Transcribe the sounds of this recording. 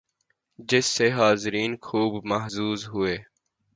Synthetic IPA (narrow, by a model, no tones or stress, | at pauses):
d͡ʒɪsːeɦaːzɪɾiːnkʰuːbmɐɦzuːzɦʊeː